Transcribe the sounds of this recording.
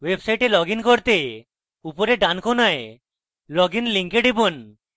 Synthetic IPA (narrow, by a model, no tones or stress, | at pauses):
websajʈelɔɡinkoɾt̪e | upoɾeɖankʰonae | lɔɡinliŋkeɖibon